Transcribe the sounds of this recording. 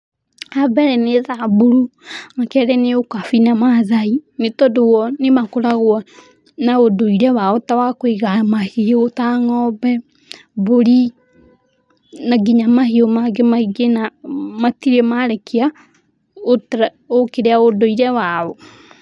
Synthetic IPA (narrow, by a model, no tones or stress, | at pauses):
abɛɾɛneðabuɾuŋakɛɾɛneokafinamaðainetɔdowɔnemakoɾaɣwɔ | naodoiɾɛwaotawakwiɣamahiotaŋɔbɛ | boɾi | naɡiɲamahiomaɡemaiɡenamatiɾemaɾɛkʰea | ot | okeɾeaodoiɾɛwaɔ